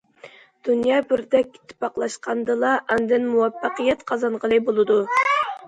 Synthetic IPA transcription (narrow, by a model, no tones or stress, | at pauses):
d̪̥unjɑːbɪɾd̪ɛkʲːɪ̥t̪ʰɪ̥pːɑqlˠɑʃqʰɑnd̪ɨlˠɑʔɛnd̪ɪnmuwɑpːɑqəjɛt̪qʰɑzɑnʁəlˠɨbolˠɨd̪u